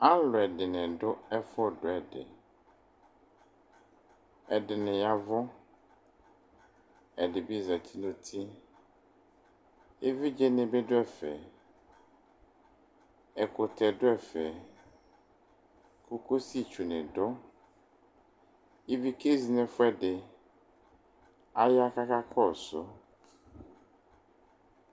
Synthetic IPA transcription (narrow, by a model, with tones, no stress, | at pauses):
a˦lʊ˨ɛ˨dɪ˨nɪ̃˨dʊ˦ɛ˦fʊ˦˨dʊ˨ɛ˨dɪ̰˨ | ɛ˨dɪ˨nɪ̃˨ja˨vʊ˦ | ɛ˨dɪ˨bi˦˨za˨tʰi˦nʊ̃˨tʰi˦ | e˦vi˦d͡ʒɛ˦nɪ̃˨be˦dʊ˦ɛ˨fɛ̰˨ | ɛ˨kʊ˨t̪ʰɛ˨dʊ˦ɛ˨fɛ˨ | ku˦ko˦si˦˨t͡ʃu˨nɛ̃˨dɔ˦ | e˦vi˦ke˦zi˨nɛ̃˨fʊ˦ɛ˦dɪ˨ | a˦ja˦ka˦ka˦kʰɔ˦˨sʊ̰˦